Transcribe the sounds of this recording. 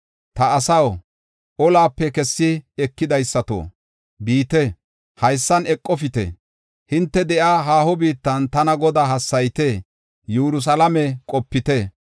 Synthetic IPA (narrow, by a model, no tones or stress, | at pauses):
t̪ɐɐsɐw | ʔɔlaːpːɛkɛsːɪɛkːɪd̪ɐjsːɐt̪o̰ː | biːt̪ɛ | hɐjsːɐnɛkʼːɔfɪt̪ɛ̰ | hɪnt̪ːɛd̪ɛʔaːɦaːhɔbiːt̪ːɐnt̪ɐnɐɡɔd̪aːɦɐsːɐjt̪eː | juːɾʊs̬ɐlɐmɛkʼɔpːɪt̪ɛ